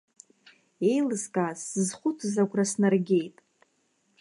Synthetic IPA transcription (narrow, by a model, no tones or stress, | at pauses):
e̞jlɨskʼasɨzχʷʊt͡sʰzakʷʰʼrasnɨrɡʲejtʼ